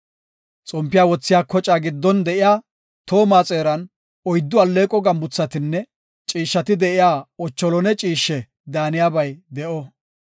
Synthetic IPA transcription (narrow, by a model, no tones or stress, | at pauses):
t͡sʼɔmpːɪjaːwɔt͡sːɪjaːkɔt͡ʃʼaɡɪd̪ːɔnd̪ɛʔɪjaː | t̪o̞ːmaːt͡sʼeːɾɐn | ɔjd̪ːʊɐlːe̞ːkʼɔɡɐmbʊt͡sːɐt̪ɪnːɛ | t͡ʃʼiːʃːɐt̪ɪd̪ɛʔɪjaːɔt͡ʃːɔlɔnɛt͡ʃʼiːʃːɛ | d̪aːnɪjaːbɐjd̪ɛʔɔ